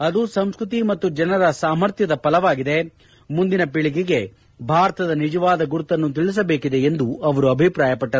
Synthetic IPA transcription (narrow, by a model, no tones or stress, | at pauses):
ɐd̪usɐmskɾut̪imɐt̪ːud͡ʒɐnɐɾɐsaːmɐɾt̪jɐd̪ɐpɐlɐʋaːɡid̪e̞ | mund̪inɐpiɭiɡɛɡe̞ | bʱaːɾɐt̪ɐd̪ɐnid͡ʒɐʋaːd̪ɐɡuɾut̪ːɐnːut̪̬iɭis̬ɐbeːkid̪e̞end̪uɐʋɐɾuɐbʱipɾaːjɐpɐʈːɐ